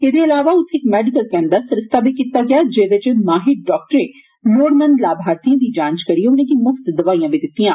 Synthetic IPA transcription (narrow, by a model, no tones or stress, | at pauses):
ed̪eɐlaːʋaʊt̪ʰːekmɛːɖɪkəlkɛːnd̪asɐɾɪst̪ʰabʱikiːt̪aɡɪaːd͡ʒeːʋet͡ʃmaːɦɪk̚ɖɔːk̚ʈəɾẽː | loːɽmə̃nd̪laːbʱaːɾt̪iãd̪id͡ʒãːnt͡ʃkɐɾieʊnẽːd̪imʊft̪d̪ɐʋaːijãːbʱid̪ɪt̪ːijãː